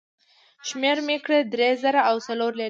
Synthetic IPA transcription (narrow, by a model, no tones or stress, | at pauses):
ʃmeɾmekɽəd̪ɾezəɾaawsaloɾla